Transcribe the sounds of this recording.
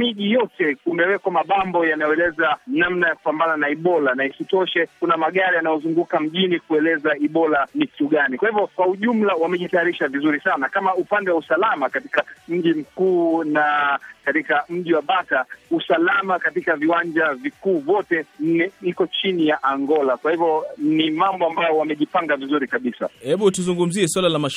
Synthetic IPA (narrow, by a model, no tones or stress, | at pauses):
miʄijɔtɛumɛwɛkamaɓambɔjanajɔɛlɛzanamnajaku̥pambananaiɓɔlanaisitɔʃɛkunamaɠaɾijanajɔzuŋɡukam̩ʄinikuɛlɛzaiɓɔlanikuɠanikwahivjɔkwauʄum̩lawamɛʄitajaɾiʃavizuɾisanakamaupandɛwausalamakatikam̩ʄim̩kuːnakatikam̩ʄiwaɓatausalamakatikaviwaɲd͡ʒavikuːvɔtɛɛikɔt͡ʃinijaʔaŋɡɔlakwahivjɔnimambɔambajɔwamɛʄipaŋɡavizuɾikaɓisa̰hɛɓutuzuŋɡum̩ziɛswalalama